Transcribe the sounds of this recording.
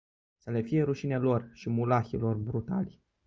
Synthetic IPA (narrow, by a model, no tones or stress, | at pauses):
səle̞fijeɾuʃinelo̞rʃimulaxilo̞rbɾut̪a̰lʲ